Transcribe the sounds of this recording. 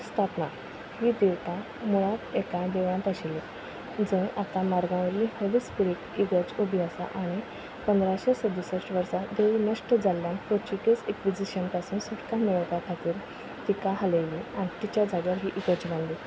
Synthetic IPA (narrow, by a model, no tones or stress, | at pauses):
st̪ʰapna | hid̪iʋt̪a | muɭat̪ekad̪eʋãnt̪əɕile | d͡zə̃ŋat̪amaɾɡãʋəɾlihəlispuɾikiɡət͡subʱjasa̰ʔaɽ̃i | pənd̪ɾaɕesəd̪isəʂʋəɾsad̪eʋinəʂʈəd͡zalːjãnpot͡ɕikesekʋid͡ʑiɕənpasuːnsuʈkamiɭəʋt̪akʰat̪iːɾ | t̪ikaɦələliãt̪it͡ɕjad͡zaɡaɾɦiʔiɡət͡ɕlãnli